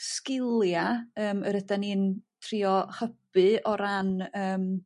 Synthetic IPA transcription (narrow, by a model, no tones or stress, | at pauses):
skɪlˠjaəːməɾədaniːntʰriːɔχəb̥ɨɔɾanəːm